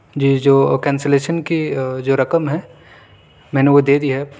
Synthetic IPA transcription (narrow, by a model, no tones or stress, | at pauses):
d͡ʒid͡ʒoːkɛ̃ːnseleːʃənkid͡ʒoːɾɐkəmɦɛ | mɛ̃ːneʋod̪eːd̪iɦɛ